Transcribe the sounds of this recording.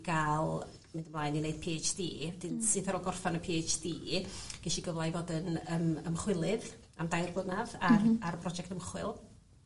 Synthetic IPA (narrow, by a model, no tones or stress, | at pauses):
ɡ̥alˠ | mɪndəmlˠaːjninejd̥̚pʰeːt͡ʃd̥ḭːwɛdɪnsɨθaɾɔɡɔrfanəpʰeːt͡ʃd̥iːɡ̥ɛʃiɡəvlˠajvɔdɪnəməmχwɪlˠɨð | amdajrblənaðaraɾəpʰrɔd͡ʒɛktəmχwɪlˠ